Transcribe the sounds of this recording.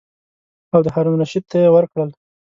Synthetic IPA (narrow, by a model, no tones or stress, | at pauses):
awd̪əhaɾumnaʃid̪̚t̪ːajewəɾkɽəl